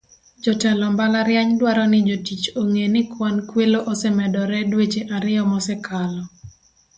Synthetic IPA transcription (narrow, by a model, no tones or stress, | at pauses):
d͡ʒɔtɛlɔmbalaɾjaɲdwaɾɔnɪd͡ʒotit͡ʃoŋenɪkwankweloʔosɛmɛdɔɾɛdwet͡ʃeʔaɾɪɔmɔsɛkʰalɔ